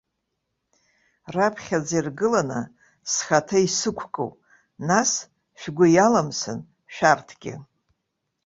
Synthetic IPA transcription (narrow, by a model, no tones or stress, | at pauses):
rapʰχʲad͡zirɡɨlanɨ̰ | sχatʰaisɨkʷʰkʼo̰w | nas | ʃᶣɡʷʊjalamsɨ̰n | ʃᶣartʰɡʲɪ̰